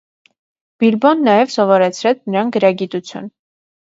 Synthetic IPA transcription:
b̥ilbɔnːɑjɛvsɔvɔɾɛt͡sʰɾɛt͡sʰnəɾɑnɡəɾɑɡit̪ut͡sʰjṵn

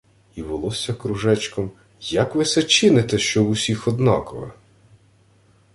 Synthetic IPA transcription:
iʋɔlˠɔsʲɐkɾʊʒɛt͡ʃkɔm | jɐkʋɪsɛt͡ʃɪnɪt̪ɛʃt͡ʃɔwʊsʲixɔd̪nɑkɔʋɐ̰

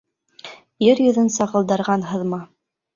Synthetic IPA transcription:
jɘɾjɵ̆ðɘnsɑʁɤ̆lˠd̪ɑ̆ɾʁɑnɦɤ̆ðmɑ

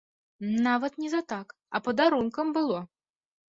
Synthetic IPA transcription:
nɑvət̪nʲizat̪ɑk | ɑ̰pəd̪ɑɾunkəmbɨlˠo

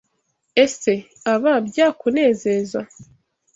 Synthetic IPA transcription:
e̞se̞ | aβabjaːkune̞ːze̞za

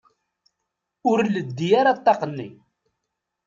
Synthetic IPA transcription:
ʊɾləd̪ːijaɾat̪ˤːɑqənːḭ

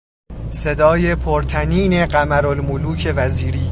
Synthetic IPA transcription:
se̞d̪ɒːjepʰoɾt̪ʰæniːne̞ɢæmæɾolmuluːcʰe̞væziːɾiː

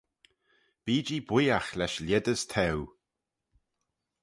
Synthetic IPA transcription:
b̥iːd͡ʒibwiːaxlɛʃlʲɛd̪əst̪ʰɛw

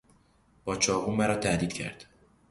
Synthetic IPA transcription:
b̥ɒːt͡ʃʰɒːʁuːmæɾɒːt̪ʰæd̪iːd̪̥cʰæ̰ɾd̪̥

